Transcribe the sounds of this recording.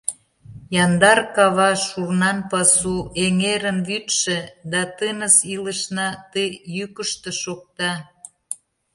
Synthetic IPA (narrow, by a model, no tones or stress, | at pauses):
jɑnd̪ɑrkɑβɑʃurnɑnpɑsueŋeɾənβyt̪ʃĕd̪ɑt̪ənəsilə̆ʃnɑt̪əjjykəʃt̪ə̆ʃok̚t̪ɑ